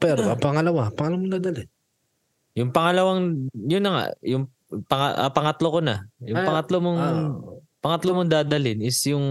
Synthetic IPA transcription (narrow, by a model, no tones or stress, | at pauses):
pɛɾoʔɐpɐŋɐlɐwapɐŋɐlɐwamod̪aːd̪ɐlɪn | jʊŋpɐŋɐlɐwaŋjʊnːɐŋa̰ʔjʊŋ | pɐŋɐʔɐ̰pɐŋɐt̪lokonɐ̰jʊŋpɐŋɐt̪lomoŋ | pɐŋɐt̪lomoŋd̪aːd̪ɐlɪnɪsjʊŋ